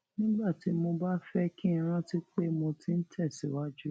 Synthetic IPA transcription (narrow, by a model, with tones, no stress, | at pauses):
nĩ˦ɡ͡ba˦˨ti˨˦mo˧ba˦fɛ˦kĩ˦ɾ̃ã˦ti˦k͡pe˦mõ˧ti˦n̩˦tʰɛ˦˨si˨˦wa˦d͡ʒu˦